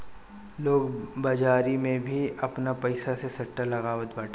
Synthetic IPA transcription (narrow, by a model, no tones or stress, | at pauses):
loːɡbad͡ʒaːɾimẽbʱiɐpnapɐɪsasesɐʈːalɐɣaːʋət̪baːʈʰː